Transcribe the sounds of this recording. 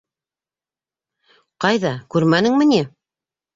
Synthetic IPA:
qɑjðɑkʉɾmænɘŋmɘ̆ni

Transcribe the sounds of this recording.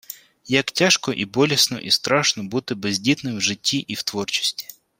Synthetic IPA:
jɐktʲaʃkɔʔibɔlʲisnɔ̰ʔist̪ɾɑʃnɔbut̪ɪbezʲdʲit̪nɪmwʒɪtʲʰːiʔiwt̪ʋɔrt͡ʃi̥sʲtʲi̥

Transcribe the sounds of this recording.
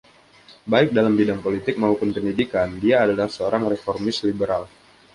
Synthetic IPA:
baɪk̚dalambidaŋpolit̪ɪk̚maupʊnpəndidikandiaːdalahsəoɾaŋrefɔrmɪslibəɾal

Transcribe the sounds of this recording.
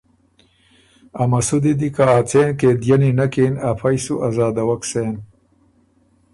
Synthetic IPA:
amɐsud̪id̪ikaːt͡seːnked̪jɐninɐkenafʰajsuʔazaːd̪ɐwɐksen

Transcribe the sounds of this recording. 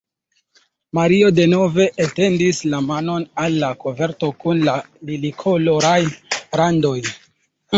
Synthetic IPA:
maɾio̞de̞no̞ve̞ʔate̞ndislamano̞nalːakove̞ɾto̞kunla | lilikʰo̞loɾajɾando̞j

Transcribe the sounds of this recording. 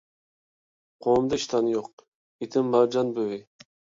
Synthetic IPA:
qʰoːmd̪ɑiʃt̪ʰɑnjoq̚ | it̪ʰɪmbɑd͡ʒɑnbøwi

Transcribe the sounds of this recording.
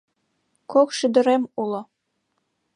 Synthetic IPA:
kokʃyd̪ə̆ɾemulŏ

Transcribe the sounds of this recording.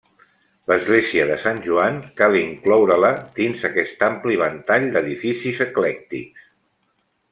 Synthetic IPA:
ləzɣleziəðəsanʲʒuaŋkalˠiŋklɔwɾələd̪inzəkɛst̪ampliβ̞ənt̪aʎd̪əðifisizəklɛk̚t̪ḭks

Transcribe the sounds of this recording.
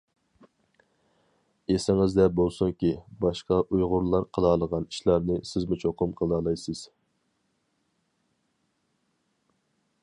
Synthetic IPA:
esɪŋɪzd̪ɛbolˠsuŋkʲibɑʃqɑʔujʁʊɾlˠɑɾqʰəlˠɑːlˠəʁɑni̥ʃlˠɑɾnɨsɪzmɪt͡ʃʰoqʊmqʰəlˠɑːlˠɑjsɨz̥

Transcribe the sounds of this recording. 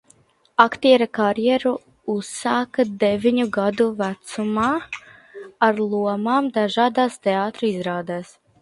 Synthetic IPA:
akt̪iɛɾakaɾjɛɾu | usaːkad̪ɛvʲiɲuɡad̪uvæt̪sumaː | aɾlˠuɔmaːmd̪aʒaːd̪aːst̪eaːt̪ɾuizɾaːd̪æːs

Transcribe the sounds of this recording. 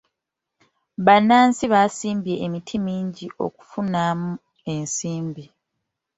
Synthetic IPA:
βanaːnsiβaːsiːmbje̞ʔːmitʰimiːɲɟiʔo̞̰ku̥funamu | e̞nsiːmbi

